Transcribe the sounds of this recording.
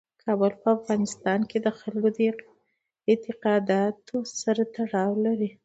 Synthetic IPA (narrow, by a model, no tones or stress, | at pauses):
kʰɑbəlpəafɣɑnɪst̪ɑnked̪əxalɡod̪ə | ɪt̪ɪqɑd̪ɑt̪osaɾat̪aɽɑwlaɾi